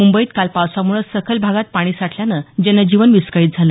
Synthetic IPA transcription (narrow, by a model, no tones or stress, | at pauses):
mumbəiːt̪kalpawsamuɭəsəkʰəlbʱaɡat̪̚paɽ̃iːsaʈʰljanəd͡ʑɛnːəd͡ʑiʋənʋiskaiːt̪̚d͡zʱalə